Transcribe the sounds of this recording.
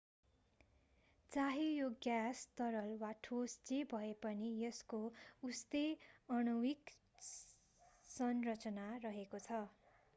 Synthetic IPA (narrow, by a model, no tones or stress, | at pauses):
t͡saɦijoɡjast̪ʌɾʌlwaʈʰost͡sebʱʌepʌnijʌskoust̪eʌñuwik | sʌnrʌt͡sʌnarʌɦekot͡sʰʌ